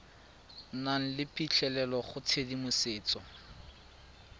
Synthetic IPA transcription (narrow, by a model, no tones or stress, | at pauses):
naŋ̩lɪpʼit͡ɬʰɛlɛlɔχʊt͡sʰedimʊseːt͡sɔ